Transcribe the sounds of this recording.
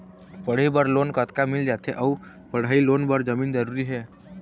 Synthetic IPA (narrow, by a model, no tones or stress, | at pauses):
pəɽ̤ibəɾlonkət̪kamild͡ʒat̪ʰeʔəu | pəɽ̤ailonbəɾd͡ʒəmiːnd͡ʒəɾuɾiɦɛ